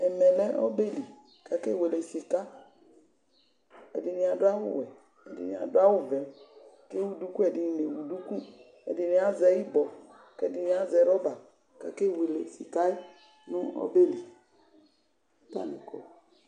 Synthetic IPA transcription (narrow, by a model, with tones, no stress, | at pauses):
ɛ˨mɛ˨lɛ˦ʔɔ̰˦be˦li˨ | ka˨ke˦˨we˨le˨si˨ka˦ | ɛ̰˨di˨nĩ˨a˨dʊ˦a˦wṵ˦wɛ˨ | ɛ˨dḭ˨nĩ˨a̰˨dʊ˦a˦wu˦vɛ˨ke˦wu˨du˦ku˦ɛ˨di˨ne˨wu˨du˦ku˦ | ɛ̰˨di˨ni˨˦a˦zɛ˦ji˦bɔ˨ | kɛ˦di˨ni˨a˨zɛ˨ɾɔ˦ba˨ | ka̰˨ke˦˨we˨lḛ˨sḭ˨ka˦e˦ | nũ˦ɔ̰˦be˦li˨˦ | pa̰˦nḭ̃˨kɔ̰˨